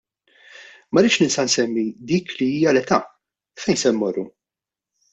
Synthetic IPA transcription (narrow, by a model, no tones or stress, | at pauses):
mɐɾɪːʃnɪnst̪ɐnsɛmːid̪iːkliiːjɐlɛt̪ɐ | fɛjnsɛnmɔrːṵ